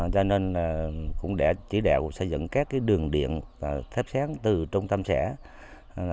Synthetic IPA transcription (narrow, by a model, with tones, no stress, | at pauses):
zɔ˧neː˧nlaː˨˩kʊ̰˧˥ŋ͡mɗɛ̰ː˧˩t͡ɕi˧˩˦ɗa̰ː˨˧˩kŋ͡msə˧˩jzɨ̰˧˨ŋkaː˦˥kːaː˨˦jɗɨ˨˩əŋɗḭ˧˨ənva˨˩t̪ʰe˦˥p̚saː˨˦ŋt̪ɨ˨˩t͡ɕʊ˧wŋ͡mt̪ə˧msɛ̰˧˩˨